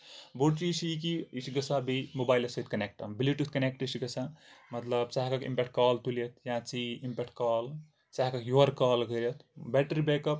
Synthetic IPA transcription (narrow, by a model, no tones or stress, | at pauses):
boɽt͡ʃiːsikiisiɡɐsaːbimobaːjlɐsɐt̪kɐnek̚ʈɐ̰mbiljuʈut̪kɐnek̚ʈisiɡɐsʰamɐt̪lɐbt͡saɦkɐkḭmpek̚ʈ̚kaːlt̪ulijɐt̪̚ʰjãːt͡siimpek̚ʈ̚kaːl | t͡saɦkɐkjoɐɾkaːlɡɐɾʲijɐt̪ʰbɛːʈɾibeːkɐp